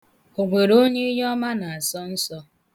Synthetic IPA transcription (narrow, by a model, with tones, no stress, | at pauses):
o˨ɡ͡bʷe˨ɾo˦ɲe˦jɔ˦ma˦na˨a˨sɔ˦n̩˦sɔ˦